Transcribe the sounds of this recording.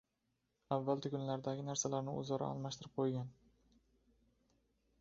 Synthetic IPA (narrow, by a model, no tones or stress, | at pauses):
avːalˠt̪ɪkʲʊnlaɾd̪aɡʲɪnaɾsalaɾnɪʊ̰zɒɾa̰ɒ̰lˠmaʃt̪ɪɾɪp̚qʰojɡʲan